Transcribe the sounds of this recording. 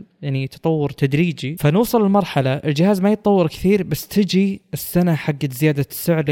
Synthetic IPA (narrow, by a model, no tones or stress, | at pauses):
jaʕnit̪ʰɑ̥t̪ˤɑwːɑɾt̪ʰad̪ɾiːd͡ʒifanuːsˤɨlɪlmɑɾˤħɑlaʔɪld͡ʒɪhaːzmajɨt̪̚ˤɑwːɑɾkɪ̥θiːɾbasːt̪ʰɪd͡ʒiɪsːanaħaɡːazɪjaːd̪asːʊʕɾ